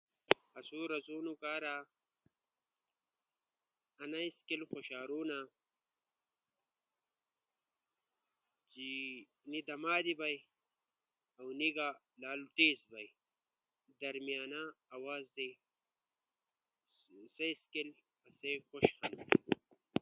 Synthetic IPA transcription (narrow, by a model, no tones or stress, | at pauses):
ɐsuːɾɐzuːnukaːɾa | ɐnaiskilxoɕaːɾuːna | t͡ɕi | nid̪ɐmaːd̪ibaj | awniɡa | laːlut̪eːsbɐj | d̪ɐɾmianaːwaːzd̪e | sejskil | ɐsejxoɕxɐn